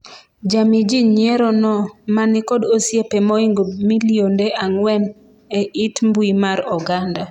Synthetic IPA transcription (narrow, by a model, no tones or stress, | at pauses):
d͡ʒamid͡ʒiɲjɛɾɔnɔmanɪkɔdosjepemɔiŋɡomiliondeʔaŋwɛn | ɛʔitmbwimaɾɔɡanda